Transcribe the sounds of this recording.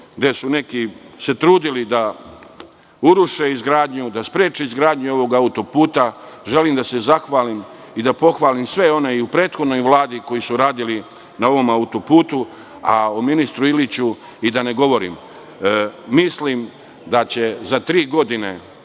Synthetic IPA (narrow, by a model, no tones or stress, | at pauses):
ɡd̪e̞sune̞kise̞t̪ɾuːd̪ilid̪a | uɾuʃe̞izɡɾaːd̪ɲud̪aspɾjeːt͡ʃeizɡɾaːd̪ɲuo̞ʋo̞ɡaut̪o̞puːt̪aʒe̞limd̪ase̞zaxʋaːlim | id̪apo̞xʋaːlimsʋe̞o̞ne̞iupɾeːt̪xo̞d̪no̞jʋlˠaːd̪iko̞jisuɾaːd̪ili | nao̞ʋo̞maut̪opuːt̪u | a̰ominist̪ɾuilit͡ɕu | id̪ane̞ɡo̞ʋo̞ɾḭm | mislim | d̪at͡ɕe̞zat̪ɾiːɡo̞d̪ine̞